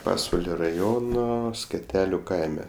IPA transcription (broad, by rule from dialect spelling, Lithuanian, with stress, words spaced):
ˈpɑːsʋɐlʲoː rɐˈjoːnoː sʲkʲɛˈtʲæːlʲʊ ˈkɐɪmʲɛ